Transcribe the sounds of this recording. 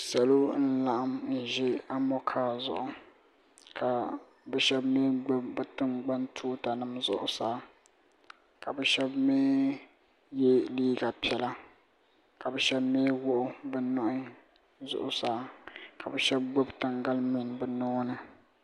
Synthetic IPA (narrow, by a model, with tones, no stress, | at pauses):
sa˨lo˦n̩˦la˦˨ʔa˦˨mn̩˨ʒɪ˦a˦mɔ˦kʰaː˦zʊ̰˨ʔʊ˨ | kʰa˨ | bɛ˦ʃɛ˦bme˦ɡ͡bo˦bbɛ˦tɨ˦ŋɡ͡ba˦ntʰuː˦ta˨nɨ˦mzʊ̰˦ʔʊ˨saː˦ | ka˨bɛ˦ʃɛ˦bmeː˦ | jɛ˦liː˦ɡa˨pi˨ɛ˨la˦ | ka˨bɛ˨˦ʃɛ˦bmeː˦wʊ˦ʔʊ˦bɛ˦nɔ˦ʔʊ˦ | zʊ̰˨ʔʊ˨saː˦ka˨bɛ˨ʃɛ˦b̚ɡ͡bo˦btɨ˨ŋɡa˦lmɪ˦˨nbɛ˨nɔː˦nɨ˦